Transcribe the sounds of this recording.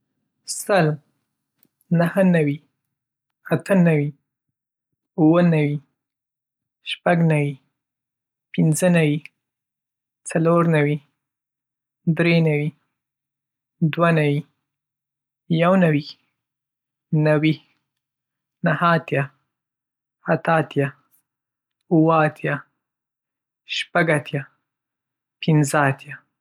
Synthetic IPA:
səl | nəhənawi | at̪ənawi | uwənawi | ʃpaɡnawi | pɪnzənawi | t͡saloɾnawi | d̪ɾenawi | d̪wanawi | jawnawi | nawi | nahaːt̪ja | at̪aːt̪ja | uwəat̪ʰja | ʃpaɡat̪ja | pɪnzəat̪ja

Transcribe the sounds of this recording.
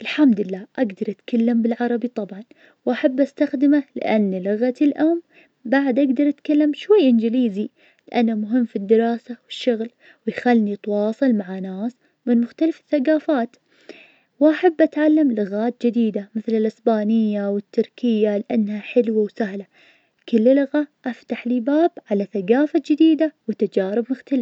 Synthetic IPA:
ʔɪlħamd̪ɪlːaːʔaɡd̪ɑɾˤʔat̪kalːambɪlʕɑɾˤɑbit̪ˤɑbʕɑn | wʔaħabːʔast̪axd̪ɪmalɪ̰ʔanːlʊɣat̪ɪlʔam | baʕd̪ʔaɡd̪ɑɾˤʔat̪kalːamʃwajːʔɪnd͡ʒɪliːzi | lɪʔanːamʊɦɪmːfid̪ːɪɾɑːsawɪʃːʊɣl | wɪjxalnit̪wɑːsˤɨlmaʕanaːs | mɪnmʊxt̪alafɪ̥θːaɡaːfaːt̪ | wʔaħabːʔat̪ʕalːamlʊɣaːt̪̚d͡ʒɪd̪iːd̪amɪθlɪlʔɪsbaːnɪjːawɪt̪ʰːʊɾkɪjːalɪʔanːhaħɪlwawsahla | kʊlːlʊɣaʔaft̪aħliːbaːbʕalaθaɡaːfad͡ʒɪd̪iːd̪awɪt̪ad͡ʒaːɾɪbmʊxt̪alɪf

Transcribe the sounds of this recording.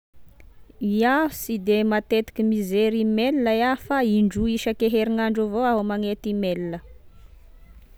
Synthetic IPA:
iaɦusid̪emat̪et̪i̥kʲimizeɾimelnəjafaiɳɖ͡ʐuiʃəkeɦeɾiŋaɳɖ͡ʐuvoaɦumaŋet̪imelinə

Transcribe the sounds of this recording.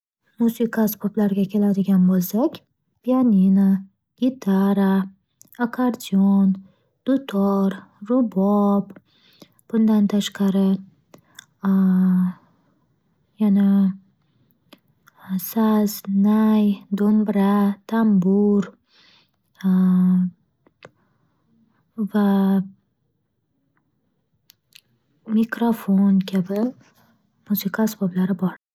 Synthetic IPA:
musikʰaspʰoplaɾɡʲakʲʰe̞lad̪ɪɡʲanbolˠsakʲ | pʰijanʲina | ɡ̥ʲit̪ʰaɾa | akʰaɾd̪ʲion | d̪̥ʊt̪ʰoɾɾʊbɔb | b̥ʊnd̪ant̪ʰaʃqɑɾɪ | jana | saznajd̪onbɾat̪ambuɾ | va | mikɾafonkebə | muzikaspɔblaɾabɑɽ

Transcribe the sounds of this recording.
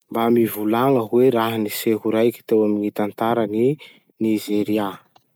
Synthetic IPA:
mbamivulaŋəɦweɾaɦaniseɦuɾajkʲi̥t̪ewamiŋit̪ant̪aɾəni | nizeɾia

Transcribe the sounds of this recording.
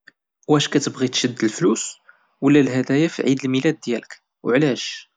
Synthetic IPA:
wæʃkæt̪əbʁit̪ʃəd̪ːəlflus | wəlːælhæd̪æjafiʕid̪əlmilæd̪ːjælək | w̰ʕlæʃ

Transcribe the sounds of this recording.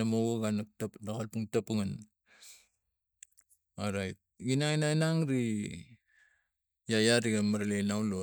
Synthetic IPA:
amowoɡanaktapnakalpuŋtapuŋan | oɾajt̚ɡinaŋinainaŋɾi | jajaɾiɡamaɾalejnawlo

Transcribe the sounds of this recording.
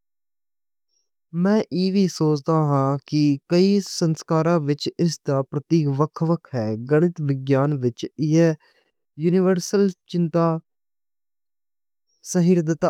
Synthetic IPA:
mɛ̃ːʔiːʋiːsoːt͡ʃd̪aːɦãːkɪkəiːsənskaːɾãːʋɪt͡ʃɪsd̪aːpɾət̪iːkʋəkʰʋəkʰɦɛːɡəɽ̃ɪt̪ʋɪɡjaːnʋɪt͡ʃɪɦɛː | juːnɪʋəɾsəlt͡ʃɪ̃nt̪aː | səɦiɾd̪ɪt̪a

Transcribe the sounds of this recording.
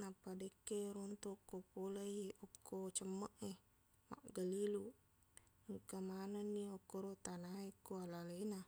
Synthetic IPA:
napadekːeɾont̪okːopolajokːot͡ʃəmːaʔe | ma̰ʔɡalilu | ŋkamananːiokːoɾot̪anaekːualalena

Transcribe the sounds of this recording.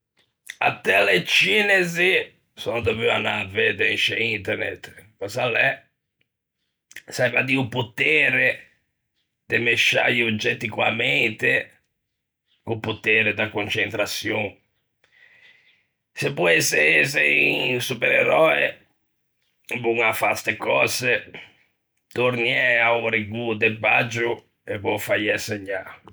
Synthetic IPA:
a̰t̪ːɛlet͡ʃiːnezi | sɔnd̪ovyanaved̪eʃeint̪ɛɾnɛ̰t̪ːpɔsalːɛ | sajvad̪iuput̪ɛːɾe | d̪emeʃa̰ʎiud͡ʒːɛt̪ːikwa̰ment̪e | kupːut̪ɛːɾed̪akont͡ʃent̪ɾat̪sjoŋ | sepːɔɛseseisupeɾḛɾɔːḛ | buŋafa̰st̪ekɔ̰ːze | t̪oɾniɛauɾiɡud̪epːa̰d͡ʒu | evɔfajɛseɲːa

